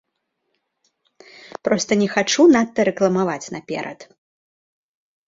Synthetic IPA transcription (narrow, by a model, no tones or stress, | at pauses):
pɾɔst̪ɐnʲɛxat͡ʂunat̪ːɐɾɛklˠɐmavat͡sʲnɐpʲɛ̰ɾʔɐ̰t̪